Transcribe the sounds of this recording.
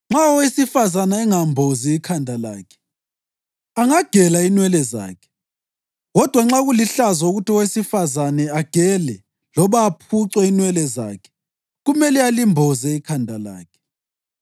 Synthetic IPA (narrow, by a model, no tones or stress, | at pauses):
ŋ͡ǁaɔwesifazanaɛŋambʱɔziːkʰandʱala̰ːkʰɛ̥ | aŋaɡ̥ʱɛlainwɛlɛza̰ːkʰɛ̥ | ɣɔd̥ʱwaŋ͡ǁaɣuliɬazauɣutiɔwesifazanɛaɡ̥ʱɛlɛ | lɔβaːpʰuǀwɛinwɛlɛza̰kʰɛ̥ | ɣumɛlɛalimbʱɔzɛikʰandʱala̰ːkʰɛ̥